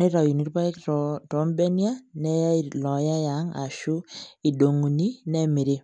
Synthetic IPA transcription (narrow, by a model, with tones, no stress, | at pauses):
ne˦ɾa˨ju˨ni˦ɾpa˦ɛ˦ktɔ˨˦mbɛ˦ni˦a˦nɛ˦ja˦ilɔ˨ja˦ja˨˦ŋa̰˨ʃu˦i˨do˨ŋu˨ni˦nɛ˦mi˨ɾe˦